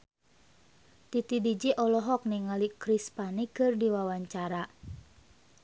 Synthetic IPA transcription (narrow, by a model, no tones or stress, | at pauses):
t̪it̪idid͡ʒiʔɔlɔɦɔk̚niŋalikɾispanikɨrdiwawaɲt͡ʃaɾa